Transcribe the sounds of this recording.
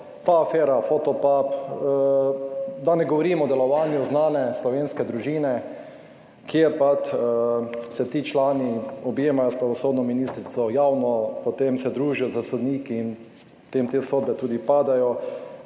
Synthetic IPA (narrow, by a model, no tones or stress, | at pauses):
paːfɛːɾafot̪ɔpapː | d̪anɛɡɔʋɔɾiːmɔd̪ɛlɔʋaːnjuznaːnɛslɔʋeːnskɛd̪ɾuʒiːnɛ | kjeɾpat̪ | sɛt̪iːt͡ʃlaːniɔbjeːmajɔspɾaʋɔsoːd̪nɔminiːst̪ɾit̪sɔjawnɔpɔt̪emsɛd̪ɾuːʒijɔzasɔd̪niːkiːn | t̪emt̪esoːd̪̚bɛt̪uːd̪ipaːd̪ajɔ